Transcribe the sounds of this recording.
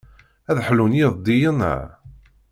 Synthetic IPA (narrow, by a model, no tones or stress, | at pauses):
æðħlunjiðˤd̪ijənæ̰